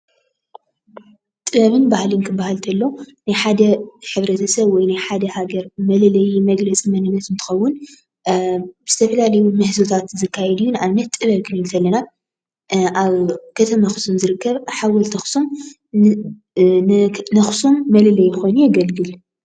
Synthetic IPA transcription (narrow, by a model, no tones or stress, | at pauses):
t̪ʼɨβɐβɨnbahlɨnkʰɨbːahalt̪ʰɐlːonajħad̪ɐħɨβɾɐt̪ʰɐsɐβwɔjnajħad̪ɐhaɡɐɾmɐlɐlɐjimɐɡlɐt͡sʼimɐnɨnːɐt̪ɨnt̪ʰɨ̥xɐwːʊn | bɨz̥ɨt̪ʰɐfɐlalɐjumɨhzot̪ʰat̪zɨkːajɛd̪ijːunɨʔaβnɐt̪t̪ʼɨβɐβkʰɨnɨlt̪ʰɐlːɐna | ʔaβkʰɐt̪ʰɐmaxɨ̥sumzɨɾɨkːɐβħawɐlt̪ʰɐxsum | nɐxsumːɐlɐlɐjːɪxo̞jnujaɡɐlɡɨl